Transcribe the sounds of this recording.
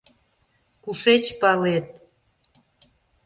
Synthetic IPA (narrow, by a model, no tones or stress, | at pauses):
kuʃet͡ɕpɑlet̪̚